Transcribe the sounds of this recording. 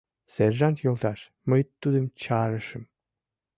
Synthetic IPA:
sɛɾʒant̪jolˠd̪aʃ | majɯt̪ːud̪ɯmt͡ʃʰaːɾɯʃɯm

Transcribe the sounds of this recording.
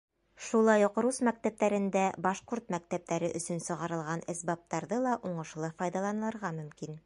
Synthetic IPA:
ʃulˠɑjuqɾusmæk̚t̪æp̚t̪æɾɘ̆nd̪æbɑʃquɾt̪mæk̚t̪æp̚t̪æɾɘʔɵ̆sɵnsɤ̆ʁɑɾɤ̆lˠʁɑnɘ̆sbɑp̚t̪ɑɾðɤlˠɑʔuɴɤ̆ʃlˠɤfɑjd̪ɑlˠɑnɤ̆lˠɤ̆ɾʁɑmɵ̆mkin

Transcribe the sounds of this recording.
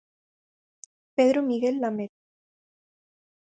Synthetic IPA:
peðɾomiɣelːamet̪̚

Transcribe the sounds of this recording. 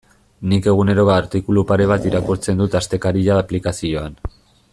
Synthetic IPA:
nike̞ɣ̞une̞ɾo̞ɣaːɾt̪ikulupaɾe̞β̞at̪iɾakuɾt͡se̞nd̪ut̪ast̪e̞kaɾiʎaːplikasio̞an

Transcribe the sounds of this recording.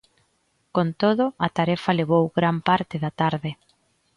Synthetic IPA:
kont̪oðʊɐt̪aɾɛfaleβ̞owɣɾampaɾt̪ɪðat̪aɾðɪ

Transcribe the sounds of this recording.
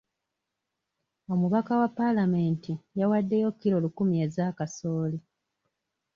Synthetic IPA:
o̞muβakawapːalame̞ːntijawadːe̞jo̞kːiɾo̞ːlukumie̞zaːkaso̞ːli

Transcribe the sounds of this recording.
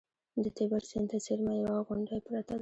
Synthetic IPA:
d̪ət̪ebaɾsent̪asiɾmajawaɣʊɳɖapɾat̪ad̪

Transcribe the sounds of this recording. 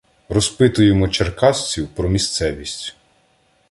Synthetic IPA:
rɔspɪt̪ʊjemɔt͡ʃerkɑsʲt͡sʲiwpɾɔmʲist̪sɛʋʲisʲtʲ

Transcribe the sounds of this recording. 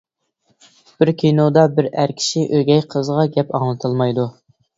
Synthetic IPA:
b̥ɪɾkʲʰinod̪ɑbɪɾæɾkʲʰi̥ʃiʔøɡʲɛjqʰəzʁɑɡʲɛpɑŋlˠɨt̪ʰɨlˠmɑjd̪u

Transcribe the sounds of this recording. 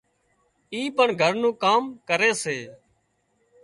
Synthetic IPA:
iːpəɳɡʱəɾnũːkaːmkəɾeːseː

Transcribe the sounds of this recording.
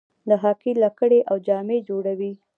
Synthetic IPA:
ləɦɑkilakəɽeʔawd͡ʒɑmed͡ʒoɽawi

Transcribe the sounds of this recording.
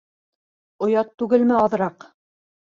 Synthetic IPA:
ŏjɑt̪ːʉɡɘlmɘɑðɤ̆ɾɑq

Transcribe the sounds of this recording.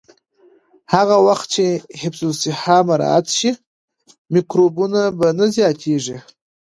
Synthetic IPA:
haɣawaxt̪̚t͡ʃehɪbsosɪhɑmaɾɑ̰a̰t̪ʃi | mikɾobunabanazjɑt̪ʰeʐi

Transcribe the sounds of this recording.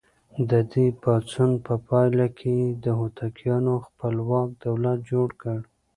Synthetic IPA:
d̪əd̪epɑt͡sunpəpɑjlakʰed̪əɦot̪ʰakjɑnoxpəlwɑk̚d̪̥awlat̪̚d͡ʒoɽkəɽ

